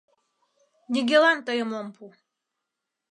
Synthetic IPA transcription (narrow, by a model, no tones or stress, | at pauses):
nʲiɡʲelant̪əjəmompʰu